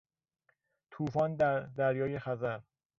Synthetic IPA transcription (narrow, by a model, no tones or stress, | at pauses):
t̪ʰuːfɒːnd̪d̪æɾjɒːje̞xæzæɾ